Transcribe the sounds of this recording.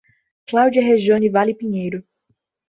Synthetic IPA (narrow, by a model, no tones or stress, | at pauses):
klawd͡ʒiɐɦeʒõnivalipĩɲejɾʊ